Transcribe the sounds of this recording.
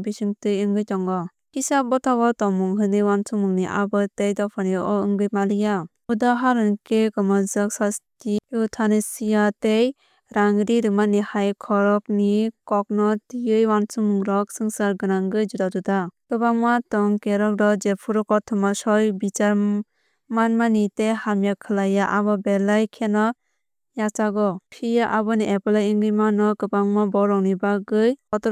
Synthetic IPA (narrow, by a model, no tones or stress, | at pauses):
bisɯŋtɯjɯŋɡɯjtɔŋɡɔ | kisabɔtʰaɡɔtɔmuŋɦɯnɯjwansuŋmɯŋniʔa̰bɯtejdɔpʰaniʔɔɯŋɡɯjmalɯja | udaɦaɾɯnkekɔmazɯksastiɯtʰanesijatej | ɾaŋɾiɾɯmanihajkʰɔɾɔk̚nikɔk̚nɔtijɯjwansumɾɔk̚sɯŋsaɾɡɯnaŋɡɯjd͡ʒudadudakɯbaŋmatɔŋkeɾɔk̚dɔd͡ʒepʰuɾɔkɔtʰɯmasɔjbit͡ʃaɾ | manmanitehamjakʰɯlajaʔabɔbelajkʰenɔ | jat͡ʃaɡɔpʰijaʔabɔniʔepɯlajiŋɡɯjmanɔkɯpaŋmɔbɔɾɔŋnibaɡɯjɔtɔ